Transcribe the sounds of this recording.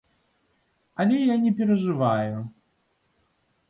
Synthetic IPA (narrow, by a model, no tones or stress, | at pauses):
alʲɛjanʲɛpʲɛɾɐʐɨvaju